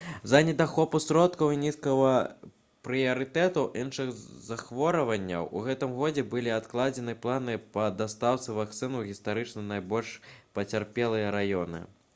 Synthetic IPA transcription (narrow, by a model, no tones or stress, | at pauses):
zɐnʲɛd̪axɔpusɾɔt̪kɐwinʲiskɐvɐ | pɾɨjɐɾɨt̪ɛt̪ɐwʔinʂɨɣzaxvɔɾɐvɐnʲːɐ̰wʔṵɣɛt̪ɨmɣɔd͡zʲɛbɨlʲiat̪klˠad͡zʲɛnɨplˠanɨpɐd̪ast̪awt̪sɨvakt̪sɨnuɣʲist̪aɾɨt͡ʂnɐnajbɔlʲʂpɐt͡sʲarpʲɛlˠɨjɐɾajɔnɨ̰